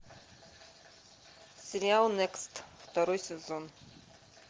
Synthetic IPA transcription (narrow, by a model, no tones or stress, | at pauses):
seɾialnekstʰwtʰaɾojsezon